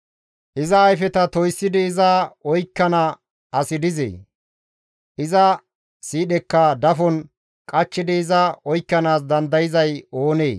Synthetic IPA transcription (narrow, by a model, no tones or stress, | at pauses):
ʔɪzɐːjfɛt̪ɐt̪ɔjsːɪd̪ɪːzɐɔjkːɐnɐ | ɐsɪd̪ɪzḛː | ʔɪzɐ | siːɗɛkːɐd̪ɐfɔn | kʼɐt͡ʃːɪd̪ɪːzɐɔjkːɐnaːs̬d̪ɐnd̪ɐjɪzɐjo̞ːneː